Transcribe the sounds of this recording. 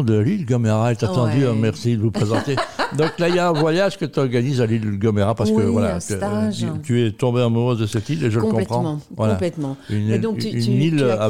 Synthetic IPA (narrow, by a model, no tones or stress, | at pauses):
d̪əlilɡɔmeʁaet̪at̪ɑ̃d̪yømɛʁsid̪əvupχezɑ̃t̪ed̪ɔ̃klaijaɛ̃vwajaʒkət̪yɔʁɡanizalilɡɔmeʁapaʁsəkəvwalakət̪yɛt̪ɔ̃beɑ̃muʁəd̪əsɛt̪ileʒələkɔ̃pχɑ̃vwal̃aplɛt̪mɑ̃yñynila